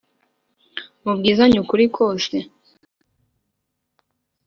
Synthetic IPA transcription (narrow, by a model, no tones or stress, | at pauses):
βub̚ɡiːzaɲukuɾikʰoːse